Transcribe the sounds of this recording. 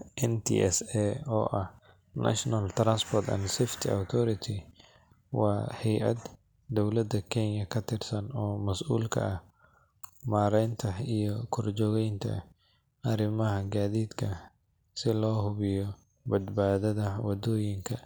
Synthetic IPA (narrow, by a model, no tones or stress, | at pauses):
ʔɛnt̪ʰḭʔɛ̰sɛɔːʔɐh | nʔɐ̰ʃnalt̪ɾanspʰɔrt̪ɐ̰nsɛft̪ʰia̰wt̪ʰɔɾɪt̪ʰɪ | wɑːhɛjʔɐ̰d̪ | d̪ɔwlɐd̪ɐkʰɛnjɐkʰɐt̪ʰɪrsɐnɔːmɐsʔṵːlkʰɐ̰ɐh | maːɾɛjnt̪ʰɐijɔkʰʊrd͡ʒɔːɣɛjnt̪ʰɐ̰ | ɐɾɪmɐɦɐɡaːðiːd̪kʰɐ | sɪlɔːhʊβɪjɔ | bɐd̪baːðɐðɐwɐd̪ɔːjɪŋkʰɐ